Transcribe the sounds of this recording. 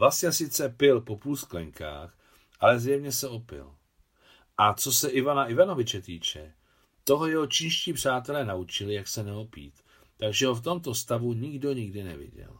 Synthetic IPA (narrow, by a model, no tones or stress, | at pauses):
vlasɲɛsɪt͡sɛpɪlpo̞puːlsklɛŋkʰa̰ːx | ʔalɛzjɛvɲɛsɛo̞pɪ̰l | ʔat͡so̞sɛʔɪvanaʔɪvano̞vɪt͡ʃɛt̪iːt͡ʃɛ | t̪o̞ɦo̞jɛɦot͡ʃɪnʃciːpr̝̥aːt̪ɛlɛːnaut͡ʃɪlɪjaksɛnɛopḭːt̪ː | aɡʒɛɦoft̪o̞mt̪o̞st̪avuɲɪɡdo̞ɲɪɡdɪnɛ̰vɪ̰ɟɛ̰l